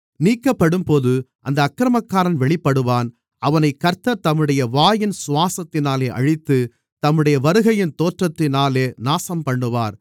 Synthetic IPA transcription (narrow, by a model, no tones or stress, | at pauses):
niːkːɐpːɐɽɯmpoːðɯʔɐnd̪ɐːkːɪɾɐmɐkːaːɾɐnʋɛɭɪpːɐɽɯʋaːn | ʔɐʋɐnɐɪkːɐɾt̪ːɐt̪ɐmːɯɽɐjɐʋaːjɪnsʊʋaːsɐt̪ːɪnaːleːʔɐ̰ɻɪt̪ːɯ | t̪ɐmːɯɽɐjɐʋɐɾɯɣɐjɪnt̪oːʈrɐt̪ːɪnaːleːnaːsɐmpɐɳːɯʋaːɾ